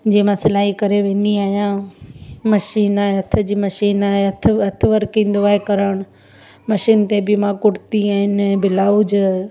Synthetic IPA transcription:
d͡ʑeːmãsɪlaːɦikɐɾeʋẽːniaːɦjã | mɐʃiːnaːɦeɦɐt̪ʰə̆d͡ʑiːmɐʃiːnaːɦeɐt̪ʰɐt̪ʰɪʋɐɾkĩːnd̪oaːɦekɐɾəɽ̃ʊ | mɐʃiːnt̪ebɪmãkʊɽt̪iaːɦɪnbɪlaːud͡ʑ

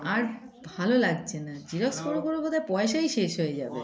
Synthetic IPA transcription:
aɾ | bʱalolaɡt͡ɕʰenad͡ʑiɾɔkskoɾokoɾobot̪aepɔeʃajʃeʃɦoed͡ʑabḛ

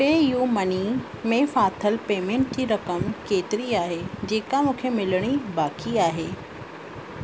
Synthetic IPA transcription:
peːɪjumɐnimẽfaːt̪ʰəlpeːmẽːɳʈ̚d͡ʑiːɾɐkəmkeːt̪ɪɾiaːɦed͡ʑeːkamũːkʰemɪləɽ̃ibaːkiaːɦeː

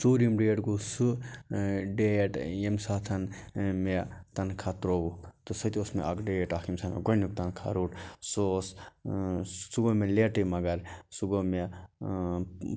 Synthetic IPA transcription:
suːɾimɖeːʈɡusu | ɖejeʈjemsaːt̪ʰɐnmet̪ɐnkʰat̪ɾoːut̪usɐt̪iosmḛɐkɖeːeʈaːkʰimsaːmḛɡɐnjuk̚t̪ɐnkʰa̰ɾuːʈsoːs | uɡomeleʈimɐɡɐɾsuɡome

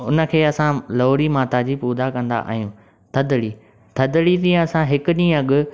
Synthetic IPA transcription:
ʊnə̆kʰeːɐsãloːɽimaːt̪ad͡ʑiːpuːd̪akɐ̃nd̪a̰ʔa̰ːɦijũː | t̪ʰɐd̪ɽi | t̪ʰɐd̪ɽit̪ĩːə̃ɐsãɦɪkʊɗĩːə̃ɐɠʊ̆

